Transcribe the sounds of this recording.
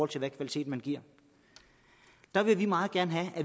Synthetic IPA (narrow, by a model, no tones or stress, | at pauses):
ɒl̰t͡sʰe̝ʋækʰʋælit͡sʰe̝̰ːd̥mænɡ̥iɐ̰ | d̥ɑ̈ʋe̝ʋimɑ̈ːð̞̩ˠɡ̥æɐnəɦææ